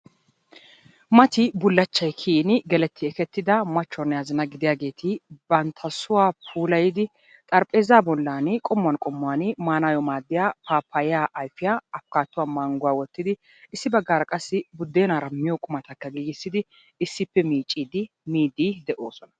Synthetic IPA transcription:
mɐt̪ɪbʊlːɐt͡ʃːɐjkʰiːnɪɡɛlɛt̪ʰːɪɛkɛt̪ːɪd̪ɐmɐt͡ʃːɔnːɛjaːzɪnɐɡɪd̪ɪjaːɡe̞ːt̪ʰɪbɐnt̪ʰɐsʊwaːpʰuːlɐjɪd̪ɪ | t̪ʼɐɾpʼe̞ːzaːbɔlːaːnkʼɔmːʊɐnkʼɔmːʊaːnmaːnaːjɔmaːd̪ːɪjaːpaːpʰːɐjjaːʔɐjfɪjaɐfkaːt̪ːʊwaːmɐŋɡʊwaːwɔt̪ːɪd̪ɪ | ɪsːɪbɐɡːaːɾɐkʼɐsːɪbʊd̪ːeːnaːɾɐmɪjɔkʼʊmɐt̪ɐkːɐɡiːɡɪsːɪd̪ɪ | ɪsːɪpːɛmiːt͡ʃʼːiːd̪ɪ | miːd̪id̪ɛʔo̞ːsɔnɐ̥

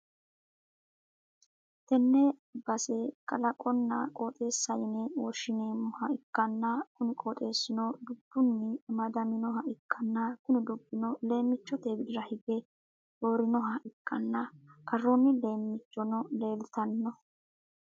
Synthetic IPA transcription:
t̪ɛnːɛbɐsɛkʼɐlɐkʼɔnːɐkʼoːt̪ʼe̞ːsːɐjɪnewɔʃɪneːmːɔhɐɪkːɐnːɐkʊnɪkʼoːt̪ʼe̞ːsːɪnɔd̪ʊbːʊnːɪmɐd̪ɐmɪnɔɦɐɪkːɐnːɐkʊnɪd̪ʊbːɪnɔle̞ːmːɪt͡ʃːɔt̪eːbɪd̪ɪɾɐhɪɡɛ | oːɾɪnɔɦɐɪkʼːɐnːɐkɐrːɔnːɪle̞ːmːɪt͡ʃːɔnɔle̞ːlt̪ɐnːɔ

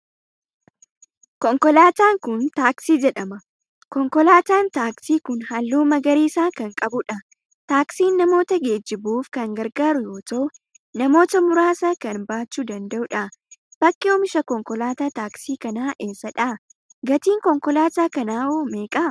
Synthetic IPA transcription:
kɔŋkɔlaːt̪aːŋkʊnt̪aːksiːd͡ʒɛᶑɐmɐ | kɔŋkɔlaːt̪aːnt̪aːksiːkʊnhɐlːuːmɐɡɐɾiːsaːkɐŋkʼɐbʊᶑɐ | t̪aːksiːnːɐmo̞ːt̪ɐɡeːd͡ʒːɪbuːfkɐŋɡɐɾɡaːɾʊjo̞ːt̪ɐʔʊ | nɐmo̞ːt̪ɐmʊɾaːsɐkɐnbaːt͡ʃːuːd̪ɐnd̪ɐʔʊᶑɐb̥ɐkʼːɛɔːmɪʃɐkɔŋkɔlaːt̪aːt̪aːksiːkɐnaːʔe̞ːsːɐᶑa | ɡɐt̪iːŋkɔŋkɔlaːt̪aːkɐnaːoːmeːkʼɐ

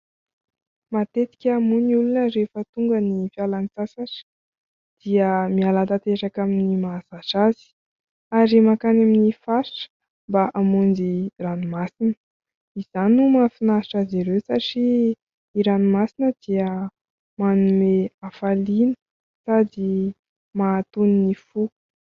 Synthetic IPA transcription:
mat̪et̪i̥kʲamuniulunəɾefət̪uŋɡənifialanit͡sasaʈ͡ʂə̥ | d̪̥iəmialat̪at̪eɾakaminimazaʃaz̥i̥ | aɾimakanaminifaʈ͡ʂə̥ | mbaʔamund͡ʒiranimasinə̥ | iz̥anumafinaʈ͡ʂaziɾewsaʈ͡ʂiː | ɾanimasinəd̪̥iə | manumeafalinə̥ | sad̪i | mat̪uninifu

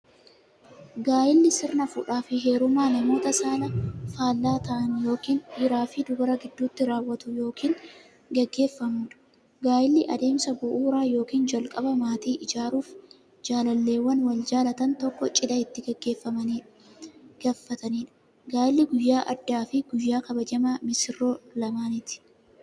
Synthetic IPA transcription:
ɡaːjɪlːɪsɪɾnɐfʊᶑaːfɪɦe̞ːɾʊmaːnɐmo̞ːt̪ɐsaːnɐfaːlːaːt̪ɐʔɐnʊjo̞ːkiːnːɪɾaːfid̪ʊɡɐɾɐɡɪd̪ːuːt̪ːɪɾaːwːɐt̪ʊjo̞ːkʰiːn | ɡɛɡːe̞ːfːɐmʊːᶑɐ̥ | ɡaːjɪlːɪʔɐd̪e̞ːmsɐbʊʔuːɾaːjo̞ːkiːnd͡ʒɐlkʼɐbɐmaːt̪iːʔɪd͡ʒaːɾuːf | d͡ʒaːlɐlːe̞ːwːɐnwɐld͡ʒaːlɐt̪ɐnt̪ɔkːɔt͡ʃʼɪd̪ɐɪt̪ːɪɡɐɡːe̞ːfːɐmɐniːᶑ | ɡ̥aːfːɐt̪ɐniːᶑɐ̥ | ɡaːjɪlːɪɡʊjːaːʔɐd̪ːaːfɪɡʊjːaːkɐbɐd͡ʒɐmɐmɪsɪrːo̞ːlɐmaːnɪt̪ɪ̥

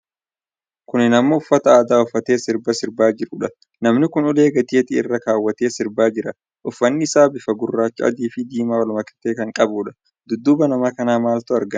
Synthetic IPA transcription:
kʊnːɪnɐmːɐʊfːɐt̪ɐaːd̪aːʊfːɐt̪e̞ːsɪɾbɐsɪɾbaːd͡ʒɪɾʊᶑɐ | nɐmnɪkʊnɔle̞ːɡɐt̪iːt̪ɪɪ̰rːɐkaːwːɐt̪e̞ːsɪɾbaːd͡ʒɪɾɐ | ʔʊfːɐnːɪɪsaːbɪfɐɡʊrːaːt͡ʃːɪɐ̰d̪iːfɪd̪iːmaːwɐlmɐkɪ̥t̪ːeːkɐŋkʼɐbuːᶑɐ̥ | d̪ʊd̪ːʊbɐnɐmɐkɐnaːmaːlt̪ʊɐɾɡɐn

